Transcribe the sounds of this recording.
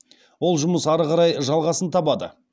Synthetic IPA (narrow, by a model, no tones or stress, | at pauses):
wo̞lˠʒʊməsɑɾəʁɑɾɑjʒɑlˠʁɑsənt̪ʰɑbɑd̪ə̰